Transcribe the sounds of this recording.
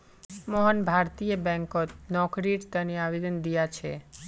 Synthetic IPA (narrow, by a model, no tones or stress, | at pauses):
mɔɦənbʱaɾt̪ijəbɛ̃ŋkot̪nɔkɾiɾt̪əniabed̪ənd̪ijat͡ʃʰe